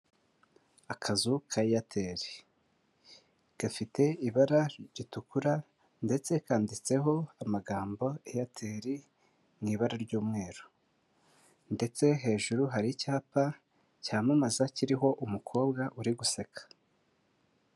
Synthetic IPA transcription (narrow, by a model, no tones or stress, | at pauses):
akʰazukʰaijatʰe̞ːɾi | ɡ̥afite̞iβaɾaɟitukuɾa | nde̞t͡se̞kaːndit͡se̞ɦo̞amaɡaːmbo̞ijatʰe̞ːɾi | ŋiːβaɾaɾɟuːmŋe̞ːɾo | nde̞t͡se̞ɦe̞ːʒuɾuɦaɾicaːpa | caːmumazaciɾiɦo̞ʔumukʰo̞ːbɡaʔuɾiɡuse̞kʰḁ